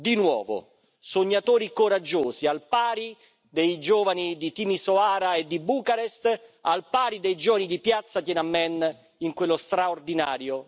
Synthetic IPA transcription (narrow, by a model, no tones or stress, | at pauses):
d̪inwɔ̰ːvo̰ | soɲːat̪oːɾikoɾad͡ʒːoːsialpaːɾi | d̪ejd͡ʒoːvanid̪it̪imisoaːɾaed̪ːibuːkaɾest̪a̰lpaːɾid̪ejd͡ʒoːvanid̪ipjat̪sːak̪jɛnamːɛn | iŋkwelːost̪ɾaord̪inaːɾjo